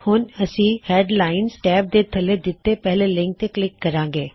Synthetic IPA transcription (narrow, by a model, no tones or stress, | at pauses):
hʊnɐsĩheːɖlaːɪnsʈɛːp̚d̪et̪ʰɐled̪ɪt̪ːepɛɦlelɪ̃ŋk̚t̪eklɪkːɐɾãːŋɡeː